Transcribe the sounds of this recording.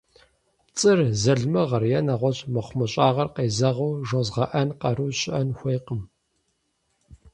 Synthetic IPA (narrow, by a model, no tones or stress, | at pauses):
t͡sʼɨrzɐɮmɐʁɐrjɛnaʁʷɔɕʼmɨχʷmɨɕʼaːʁɐrqeːzɐʁɐwʒozʁɐʔɐnqɐɾuːɕʼɪʔɐnxʷeːjqəm